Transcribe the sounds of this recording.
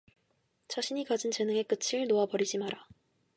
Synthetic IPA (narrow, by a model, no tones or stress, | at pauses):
t͡ɕʰaɕʰiɲikad͡ʑint͡ɕe̞nɯŋe̞k͈ɯt͡ɕʰiɯɭnoapʌɾid͡ʑimaɾa